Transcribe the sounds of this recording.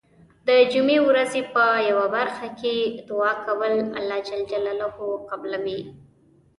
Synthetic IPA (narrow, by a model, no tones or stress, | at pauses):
d̪əd͡ʒumewɾazepəjawabaɾxaked̪ʊɑkawəla̰lːɑd͡ʒald͡ʒalalahoqablawi